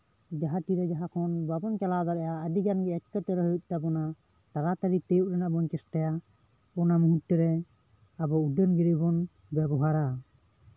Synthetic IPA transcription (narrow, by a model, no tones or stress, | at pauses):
d͡ʒaɦaʈiɾɛd͡ʒaɦakʰɔnbabɔnkalad̪ɔɾɛjaəd̪iɡanɡɛɛt̚kət̪ɛɾɛɦɔjuc̪̚ˀt̪abɔna | t̪aɾat̪aɾit̪ɛjuʔɾɛnaʔbɔnkɛsʈaja | ɔnamuɦuʈːɛɾɛ | abɔuɖənɡiɾibɔn | bɛbɔɦaɾa